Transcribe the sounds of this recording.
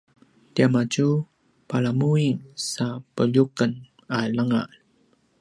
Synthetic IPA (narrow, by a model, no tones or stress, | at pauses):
tiamaɟu | palamuiŋsapəʎukən | aləŋa̰ʔ